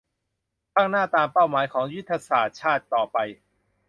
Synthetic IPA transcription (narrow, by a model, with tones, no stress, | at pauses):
kʰaː˥˩ŋnaː˥˩t̪aː˧mpa˥˩wmaː˩˦jkʰɔː˩˦ŋju˦˥t̪ʰːa˧saː˨˩t̪̚t͡ɕʰaː˥˩t̪ːɔː˨˩pa˧j